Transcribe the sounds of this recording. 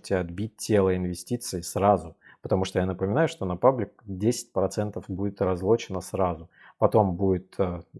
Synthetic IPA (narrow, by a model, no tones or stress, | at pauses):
tʲɪɐd̪̚bʲit̚ʲːelˠəɪnvʲɪsʲtʲit̪sɨɪsɾazʊ | pə̥t̪ɐmuʂt̪ojanəpəmʲɪnajʊʂt̪o̞nɐpablʲɪk̚dʲesʲɪ̥t̚ʲpɾɐt̪sɛnt̪əfbudʲɪt̪ɾɐzlˠo̞t͡ɕɪnəsɾazʊ | pɐt̪o̞mbudʲɪt̪ə